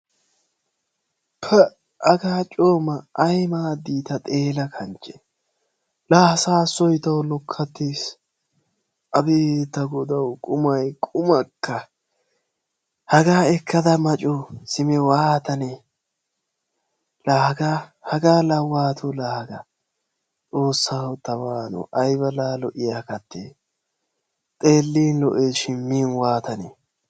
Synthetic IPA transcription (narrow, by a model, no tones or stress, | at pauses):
pʰɛ | ɐɡaːt͡ʃʼoːmɐʔɐjmaːd̪iːt̪ɐt̪ʼe̞ːlɐkʰɐnt͡ʃʼɛ̥ | laːsaːsɔjt̪ɐwlɔkʰːɐt̪ːiːs | ʔɐbeːt̪ːɐɡɔd̪ɐwkʼʊmɐjkʼʊmɐkːɐ | hɐɡaːɛkʰːɐd̪ɐmɐt͡ʃʼʊsɪmɛwaːt̪ɐne | lahɡahɐɡaːlɐwaːt̪ʰʊlahɡɐ | t͡sʼo̞ːsːaːhɔt̪ːɐwaːnɔ̰ʔɐjbɐlaːlɔʔɪjakɐt̪ːḛː | t̪ʼe̞ːlːiːnlɔʔeːʃɪnmmiːnwaːt̪ɐne